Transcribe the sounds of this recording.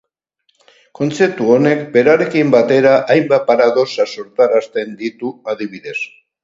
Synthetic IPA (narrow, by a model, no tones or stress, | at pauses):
ko̞nt͡se̞p̚t̪uo̞ne̞kbe̞ɾaɾe̞kimbat̪e̞ɾaʔajmbapaɾaðo̞saso̞ɾt̪aɾast̪e̞nd̪it̪uaðiβiðe̞s